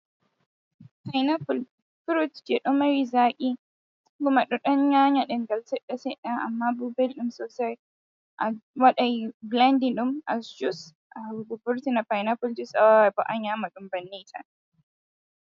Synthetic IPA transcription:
pajnaful | fuɾutd͡ʒɛɗɔmaɾizaːkʼi | ɡʊmaɗɔɗɔnɲaːɲaɗɛnɡaltɛɗːasɛɗaʔa̰mːabubɛlɗumsɔsɛɾ | ʔawaɗajblandinɗuma̰sd͡ʒus | ʔabɔbuɾtinapajnafuld͡ʒisawabɔʔaɲaːmaɗumbanːitʰa̰

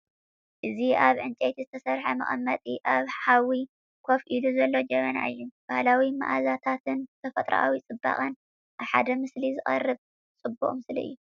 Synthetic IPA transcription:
ʔɨziʔaβʕɨnt͡ʃʼet̪ʰizɨt̪ʰɐsɐɾħɐmɐ̰χʼɐ̰mːɐt̪ʼiʔaβhawi | kʰo̞fʔiluzɐlːo̞d͡ʒɛmɐna̰ɨjːub̥ahlawima̰ʔazat̪ʰat̪ʰɨnt̪ʰɐfɐt̪ʼɾa̰ʔa̰wit͡sʼɨbːa̰χʼɐn | ʔaβħa̰d̪ɐmɨslizɨχʼɐrːɨβ | t͡sʼɨbːṵχʼmɨslɐ̰ʔɨ̰jːu

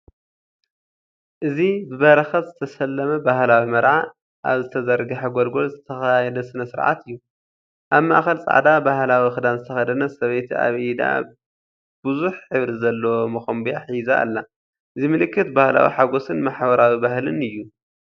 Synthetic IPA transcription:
ʔɨzibɨβɐɾɐxɐt̪zɨt̪ʰɐsɐlːɐmɐbahlawimɐɾʕa | ʔa̰βzɨt̪ʰɐzɐɾɡɐħaɡolɡo̞lzɨt̪ʰɐxajajɛd̪ɐsɨnɐsɨɾʕa̰t̪ɨjːu | ʔaβma̰ʔxɐlt͡sʼa̰ʕd̪abahlawixɨd̪anzɨt̪ʰɐxɐd̪ɐnasɐβɐjt̪ʰia̰βʔid̪a̰ | b̥ɨzuħħɨβɾizɐlːomɐxɐmbiaħiza̰ːlːa | ʔɨzimɨlɨkːɨt̪bahla̰wḭħaɡo̞sɨnmaħbɐɾawibahlɨnɨjːu

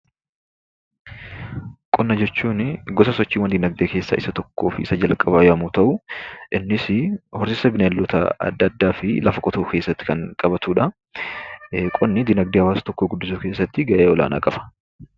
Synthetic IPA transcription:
kʼɔnːɐd͡ʒɛt͡ʃːuːnɡɔsɐsɔt͡ʃːiːnwɐnd̪ɪnɐɡ̚d̪eːkeːsːɐ̰ːʔɪsɐt̪ɔkːo̞ːfɪsɐd͡ʒɐlkʼɐbaːjɐmuːt̪ɐʔʊʔɪnːɪsɪhɔɾsɪsɐbɪnɐlːɔt̪ɐ̰ɐ̰d̪ːɐd̪ːaːfɪlɐfɐkʼɔt̪oːke̞ːsːɐt̪ːɪ̥kɐŋkʼɐbɐt̪uːᶑɐ | kʼɔnːɪd̪ɪnɐɡ̚d̪eːhɐwaːst̪ɔkːoːɡʊd̪ːɪs̬uːke̞ːsːɐt̪ːɪɡɐʔeːɔla̰ːna̰ːkʼɐfɐ̥

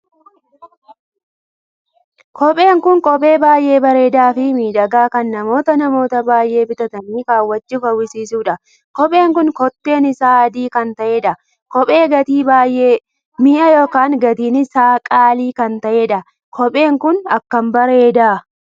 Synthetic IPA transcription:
kʰɔpʼe̞ːŋkʊŋkʼɔpʼe̞ːbaːjʔe̞ːbɐɾe̞ːd̪aːfɪmiːᶑɐɡaːkɐnːɐmo̞ːt̪ɐnɐmo̞ːt̪ɐbaːjʔe̞ːbɪt̪ɐt̪ɐniːkaːwːɐt͡ʃːʊfɐwɪsiːsuːᶑɐ | kɔpʼe̞ːŋkʊnkɔt̪ːe̞ːnɪsaːɐd̪iːkɐnt̪ɐʔeːᶑɐ | kɔpʼe̞ːɡɐt̪iːbaːjʔeː | mɪʔɐjo̞ːkaːŋɡɐt̪iːnɪsaːkʼaːliːkɐnt̪ɐʔeːᶑɐ | kʰɔpʼe̞ːŋkʊnɐkːɐmbɐɾe̞ːd̪aː

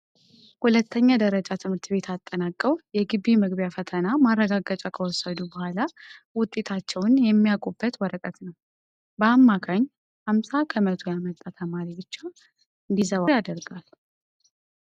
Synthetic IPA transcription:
hulət̪ʰːəɲːad̪əɾəd͡ʒat̪ʰɨmhɨɾt̪be̞t̪ʰat̪ʼːənakʼːəwjɛɡɨbimɨɡβjafət̪ʰənamarːəɡaɡət͡ʃʼakʰəwɔsːəd̪ubəhʷalawʊt̪ʼːe̞t̪ʰat͡ʃːɛwnjɛmːijakʼobːət̪wɔɾəkʼət̪nəw | bəamːakʰaɲː | hamsakʰəmət̪ʰojamət̪ʼːat̪ʰəmaɾibɨt͡ʃːa | ɨnd̪izəβajad̪əɾɡal

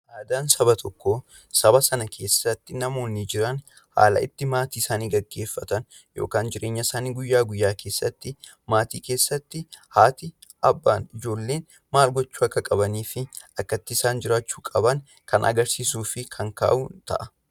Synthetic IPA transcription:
ʔaːd̪aːnsɐbɐt̪ʰɔkːo | sɐbɐsɐnɐkʰe̞ːsːɐt̪ːɪnɐmo̞ːnːɪd͡ʒɪɾɐn | ha̰ːlɐ̰ɪ̰t̪ːɪmaːt̪iːɪsaːniːɡɐɡːe̞ːfːɐt̪ɐn | jo̞̰ːkaːnd͡ʒɪɾʔe̞ːɲːɐsaːniːɡʊjːaːɡʊjːaːkʰe̞ːsːɐt̪ːɪ | maːt̪iːke̞ːsːɐt̪ːɪhaːt̪ɪ | ʔɐbːaːnɪd͡ʒo̞ːlːeːn | maːlɡɔt͡ʃːuːɐkːɐkʼɐbɐniːfɪ | ɐkːɐt̪ːɪɪsaːnd͡ʒɪɾaːt͡ʃːu̥ːkʼɐbɐn | kɐ̰nʔɐ̰ɡɐɾsiːsuːfɪkʰɐŋka̰ːʔuːnt̪ɐ̰ʔɐ

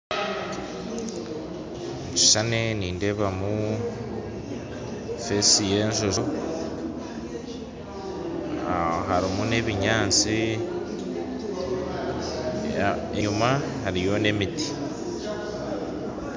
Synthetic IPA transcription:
i̥ʃaneniːnde̞βamu | fesije̞ːnʃoʒo | aɦaɾimune̞ːβiɲaːt͡si | euma | haɾijo̞ne̞miti̥

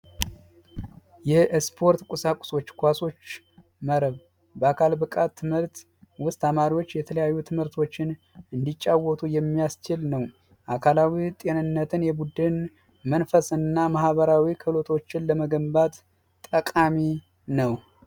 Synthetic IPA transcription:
jɛspʰo̞ɾt̪kʷʼʊsakʼʊ̥so̞t͡ʃːkʷaso̞t͡ʃː | məɾəβ | bəakʰalbɨkʼat̪ʰːɨmhɨɾt̪ | wʊst̪amaɾiwo̞t͡ʃːjɛt̪ʰələjajːut̪ʰɨmhɨɾt̪ʰo̞t͡ʃːɪn | ɨnd̪it͡ʃʼːawɔt̪ʰʼujɛmːijast͡ʃɪlnəw | ʔakʰalawit̪ʼe̞nɨnːət̪ʰɨnjɛbud̪ɨn | mənfəsɨnːamahβəɾawikʰəlot̪ʰo̞t͡ʃːɪnləməɡəmbat̪ːʼ | əkʼami | nəw

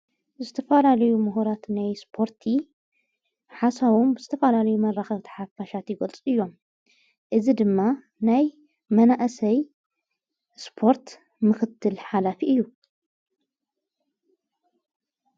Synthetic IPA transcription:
zɨt̪ʰɐfɐlalɐjumuɦuɾat̪najspʰo̞ɾt̪ʰi | ħasaβombɨzɨt̪ʰɐfɐlalɐjumɐrːaxɐβt̪ʰi̥ħafaʃat̪jɪɡɐlt͡sʼɨjːo̞m | ʔɨzid̪ɨmːa | naj | mɐnaʔsɐj | spʰo̞ɾt̪ | mɨxɨt̪ʰːɨlħalafiʔɨjːu

